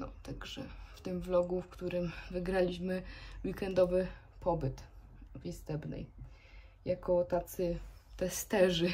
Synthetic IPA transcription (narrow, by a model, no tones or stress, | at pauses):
nɔ̰t̪aɡʐɛ̰ft̪ɘmvlɔɡufkt̪uɾɘmvɘɡɾalʲiɕmɘwikɛnd̪ɔvɘ | pɔbɘt̪vist̪ɛbnɛ̰j | jakɔt̪at̪sɘt̪ɛst̪ɛʐɘ